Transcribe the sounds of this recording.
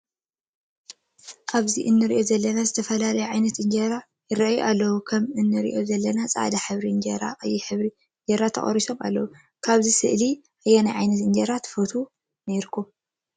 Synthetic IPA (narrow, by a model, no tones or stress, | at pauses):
ʔaβziʔɨnːɨɾiʔo̞zɐlːɐnazɨt̪ʰɐfɐlalɐjuʕajnɐt̪ʔɨɲd͡ʒɐɾa | jɨɾɐʔajuʔalːɐwukʰɐmɨnːɨɾḭʔo̞zɐlːɐnat͡sʼa̰ʕd̪aħɨβɾiɨɲd͡ʒɐɾa̰qʼɐjiħɨβɾi | ɲd͡ʒɐɾat̪ʰːɐ̰χʼɐ̰ɾiso̞mʔa̰lːɐwu | kʰaβzisɨʔli | ʔɨjːanajʕajnɐt̪ɨɲd͡ʒɐɾat̪ʰɨfɐt̪ʰu | neɾkʰum